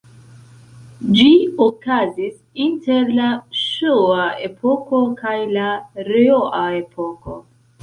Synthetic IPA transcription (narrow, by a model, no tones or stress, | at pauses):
d͡ʒiokazis | inte̞ɾlaʃoae̞pʰoko̞kajlaɾeoʔae̞pʰo̞ko̞̰